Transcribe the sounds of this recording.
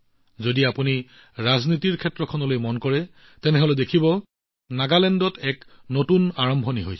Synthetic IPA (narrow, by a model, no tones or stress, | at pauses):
zodiapuni | ɹaznitiɹkʰɛtɹɔkʰɔnɔlojmɔnkɔɹɛ | tɛnɛɦolɛdekʰibɔ | naɡalɛndɔtɛknotunaɹɔmbʱɔniɦojs